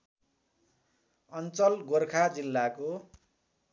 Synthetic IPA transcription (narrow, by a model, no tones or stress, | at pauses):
ʌnt͡sʌlɡorkʰad͡zilːako